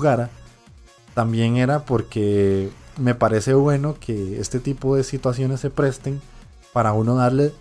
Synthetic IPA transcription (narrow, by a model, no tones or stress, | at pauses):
ɣaɾa | t̪ambje̞ŋe̞ɾapo̞ɾke̞ | me̞paɾe̞se̞βwe̞no̞kʰe̞est̪e̞t̪ipo̞ðe̞sit̪was̬jo̞ne̞sːe̞pɾe̞st̪e̞ŋ | paɾauno̞ðaɾle